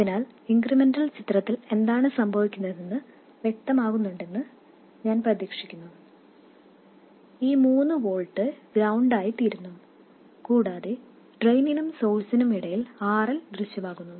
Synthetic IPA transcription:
ɐðinaːliŋɡrimendɐlt͡ɕit̪rɐt̪ːile̞nd̪aːɳɨsɐmbʱɐʋikʲːunːɐðenːɨ | ʋjek̚t̪ɐmaːɣunːuɳɖe̞nːɨ | ɲaːnprɐðiːkʂikʲːunːu | iːmuːnːɨʋo̞ːɭʈːɨɡɾɐwɳɖaːjit̪iːɾunːum | kuːɽaːðe | ɖrejninumso̞ːsɐnɐmiɽɐjilaːrɐld̪rɨɕjɐmaːɣunːu

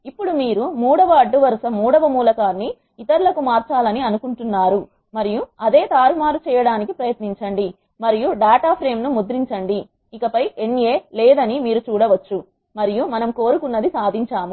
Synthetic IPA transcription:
ipːuɽumiːɾumuːɽɐʋɐːɖːuʋɐɾsɐmuːɽɐʋɐmuːlɐkaːnːiː | t̪ɐɾulɐkumaːɾt͡ʃaːlɐniɐnukuɳʈunːaːɾu | mɐɾijuɐd̪e̞ːt̪aːɾumaːɾut͡ʃɛːjɐɽaːnikipɾɐjɐt̪niɲt͡ʃɐɳɖi | mɐɾijuɖaːʈaːpʰɾe̞ːmnumud̪ɾiɲt͡ʃɐɳɖiː | kɐpɐjʔeɳːijeːlɛːd̪ɐnimiːɾut͡ʃuːɽɐʋɐt͡ʃːu | mɐɾijumɐnɐmkoːɾukunːɐd̪isaːd̪ʱiɲt͡ʃaːmu

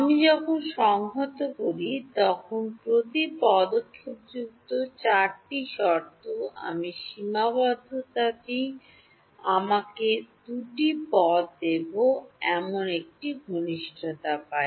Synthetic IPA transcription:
amid͡ʑɔkʰonʃɔŋɦot̪okoɾit̪ɔkʰonpɾot̪ipɔd̪okʰːokd͡ʑuk̚t̪ot͡ɕaɾʈiʃɔɾt̪oa̰miʃimabɔd̪ʱot̪at̪i | amaked̪uʈipɔt̪d̪eboɛmonek̚ʈiɡʱoniʃʈʰot̪apae

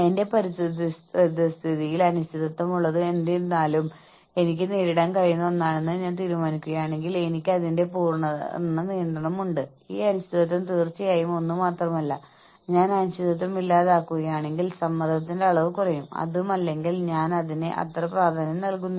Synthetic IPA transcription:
ende̞pɐɾist̪iðistðist̪ʰiðijilɐnuɕt̪ʰiðɐt̪ːɐmuɭːɐðɨe̞nd̪inːaːlum | e̞nikʲːɨneːɾiɽaːnkɐɻijunːɐonːaːɳenːɨɲaːnt̪iːɾumaːnikʲːuɣɐjaːɳe̞ŋɡile̞nikʲːɨɐðinde̞puːrɳɐ̰nːɨniːnd̪ɐɳɐmuɳɖɨ | iːɐnust̪ʰiðɐt̪̬ːɐnt̪iːrt͡ɕːijaːjumo̞nːɨmaːt̪rɐmɐlːɐ | ɲaːnɐnuɕiðɐt̪̬ːɐmilːaːðaːkːuɣɐjaːɳe̞ŋɡilsɐmːɐnd̪ʱɐt̪ːindeɐɭɐʋɨkurɐjumɐ̰ðumɐlːe̞ŋɡilɲaːnɐðinɨʔɐ̰t̪rɐpraːrt̪ʰɐnɐmnɐlkunːɐ

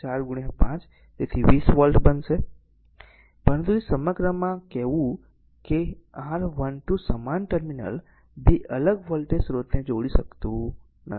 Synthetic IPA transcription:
t͡ʃaɾɡuɽ̃epãt͡ʃ | t̪et̪ʰiʋisʋəlʈbənʃe | pəɾənt̪uesəməɡɾəmãkɛɦʋũ | keãɾʋənʈusəmanʈəɾminə̰l | bʱiʔələɡʋəlʈesɾot̪nẽd͡ʒoɽiʃəkt̪ũ | nə̰

